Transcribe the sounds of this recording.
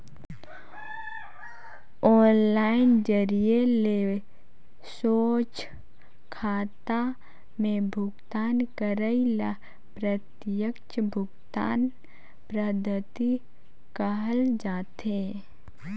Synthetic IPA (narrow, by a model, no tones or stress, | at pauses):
ɔːnlaːɪnd͡ʒəɾijeleː | soːt͡ʃ | kʰaːt̪a | mẽbʱʊɡt̪aːnkəɾəila | pɾət̪jəkt͡ʃbʱʊɡt̪a̰ːn | pɾəd̪ʱət̪i | kəɦəld͡ʒaːt̪e